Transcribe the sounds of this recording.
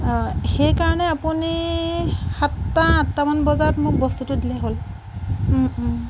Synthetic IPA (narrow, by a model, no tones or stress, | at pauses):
xejkaɹɔnɛapuni | xatːaatːamanbɔzatmʊk̚bɔstutʊdilɛɦol